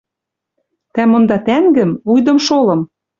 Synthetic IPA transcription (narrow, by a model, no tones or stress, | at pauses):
t̪æmɤ̆nd̪ɑt̪æŋɡɘ̆mujd̪ɤ̆mʃolɤ̆m